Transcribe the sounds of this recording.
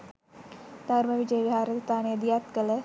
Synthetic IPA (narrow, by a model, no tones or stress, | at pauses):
d̪̥ʱaɾməʋid͡ʒəjəʋiɦaːɾəst̪ʰaːnijəd̪ijat̪kələ